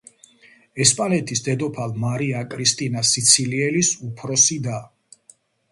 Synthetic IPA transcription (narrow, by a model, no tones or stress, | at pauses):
ɛspʼalɛt̪ʰisd̪ɛd̪ɔpʰalmaɾiakʼɾist̪ʼinasit̪sʰiliɛlisupʰɾɔsid̪a